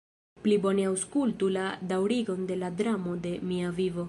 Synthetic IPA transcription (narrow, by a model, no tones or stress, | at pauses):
plibo̞neawskultuladawɾiɡo̞nde̞ladɾamo̞de̞miavivo̞